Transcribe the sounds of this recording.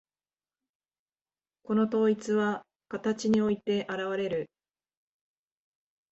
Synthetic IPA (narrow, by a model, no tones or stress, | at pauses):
ko̞no̞t̪o̞ːit͡sɨβa | kat̪at͡ɕiɲ̟io̞it̪e̞ʔaɾaβaɾe̞ɾɯ̟